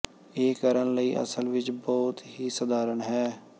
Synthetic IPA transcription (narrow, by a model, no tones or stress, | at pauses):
eːkəɾənləiːʔə̰səlʋɪt͡ʃbɔːt̪ɦiːsəd̪aːɾəɳɦɛː